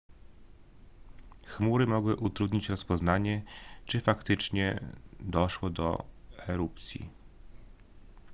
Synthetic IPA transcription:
xmuɾɘmɔɡwɘʔut̪ɾud̪ɲit͡ɕɾɔspɔznaɲɛt͡ʂɘfakt̪ɘt͡ʂɲɛ̰d̪ɔʂwɔd̪ɔ̰ɛɾupt̪sʲjḭ

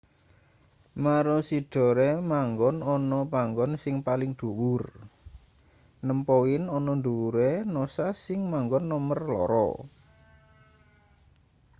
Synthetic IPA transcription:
maɾɔsiɖ̥ɔ̤ɾemaŋɡɔnɔnɔpaŋɡɔnsɪŋpalɪŋd̪̥ṳwʊr | nəmpɔwɪnɔnɔnd̪uwuɾenɔsasɪŋmaŋɡɔnːɔmərlɔ̰ɾɔ̰

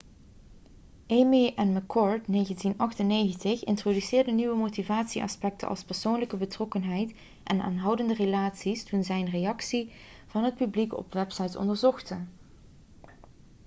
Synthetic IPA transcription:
ʔejmiʔɛnməkʰːɔɹtnejɣəntinɑxtənejɣəntəxɪ̰ntrodysɪːɹdəniʋəmowtivaːtsiʔɑ̰spɛk̚tʰə̰ʔɑ̰lˠspɛɹsownləkəbətrɔkənɦɛjt | ʔɛna̰ːnɦɑwdəndərelaːtsistunzɛjənrejɑksi | v̥ɑnɦət̚pyblikɔ̰pʋɛpsɑjtɔ̰ndəɹzɔxtə

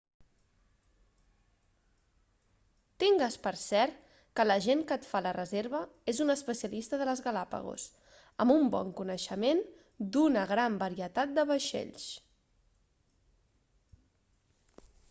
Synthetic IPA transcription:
t̪iŋɡəspəɾsɛɾt̪ | kələʒeŋkət̪falərəzeɾβ̞əezunəspəsiəlist̪əðələzɣəlapə̰ɣ̞ṵs | əmumbɔ̰ŋkunəʃəmen | d̪unəɣɾambəɾiət̪at̪̚d̪əβəʃḛʎs

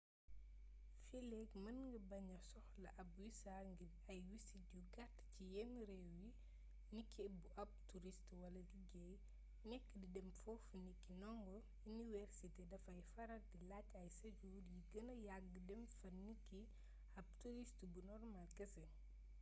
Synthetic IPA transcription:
filɛkmɐnŋɡɐbɐɲɐsɔxlɐʔɐb̚wisaŋɡi | ɐjwisidjuɡatːcijɛnɾɛwwji | nikʰːibuʔɐb̚tuɾistwɐlɐɡiɡɛj | nɛkːdidɛmfɔfnikːinɔŋɡɔ | iniwɛɾsitedɐfɐjfɐɾɐdilacːɐjsɐd͡ʒuːdjiɡɐnɐjaɡːədɛmfɐnikːi | ɐb̚tuɾistbunɔrmalkɐsɐ

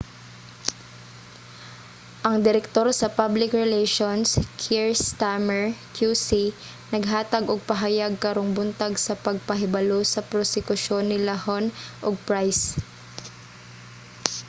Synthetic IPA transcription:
ʔɐŋd̪ɪɾɛk̚t̪o̞ɾsɐpablɪkɹɛlɛjʃonskʰiɹst̪amɛɹkjusi | nɐɡɦaːt̪ɐɡʔoɡ̚pɐɦɐjaɡ̚kɐɾoŋbʊnt̪aɡsɐpɐɡ̚pɐɦɪbɐlosɐpɾosɪkʊʃo̞nːɪlɐhonʔoɡ̚pɹajs

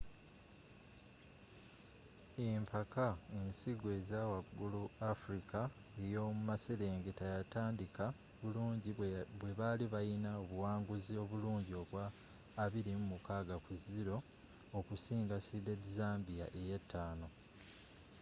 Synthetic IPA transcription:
eːmpʰakaensiɡwe̞zawaɡːuluafɾika | e̞jo̞ːmumase̞le̞ːŋɡetajataːndika | βuluːɲɟiβwe̞βaliβajinaoβuwaːŋɡuzio̞βuluːɲɟio̞βwaː | βiɾimumukaːɡakuziɾo̞ː | kusiːŋɡasidedizaːmbija̰ʔe̞jetːaːno̞

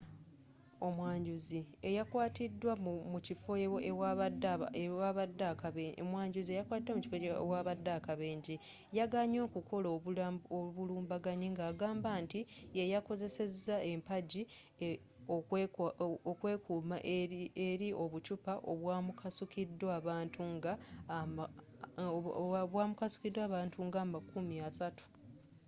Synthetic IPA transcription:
o̞mwaːɲɟuzie̞jakwaːtidːwamucifo̞adaaβadːakaemwaːɲɟuziejakwaːtidwamuci̥fowaβadːakaβeːɲɟi | jaɡaɲo̞ːkukʰo̞looβuluːmbaɡaɲiŋɡaːɡaːmbaːntijejako̞ze̞se̞zːae̞mpaɟi | o | okwe̞ːkuːmaʔeeɾiʔo̞βut͡ʃupaʔoβwaːmukʰasukidːaːβaːntʰuŋɡa | βwaːmukasu̥kidwaːβaːntʰuŋɡaːmakumiasatu̥

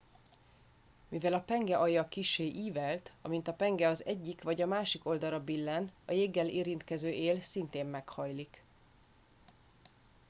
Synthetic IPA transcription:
mivɛlɒpɛŋɡɛʔɒjɒkiʃeːʔiːvɛlt̪ɒmint̪ɒpɛŋɡɛɒzɛɟːikʋɒɟɒmaːʃiko̞ld̪ɒlɒbilːɛnɒjeːɡːɛleːɾint̪kɛzøːʔeːlsint̪eːmːɛkhɒjlik

